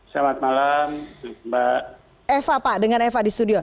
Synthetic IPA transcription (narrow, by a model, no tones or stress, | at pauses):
samat̪̚malambaʔ | efapaʔdəŋanefadist̪udiɔ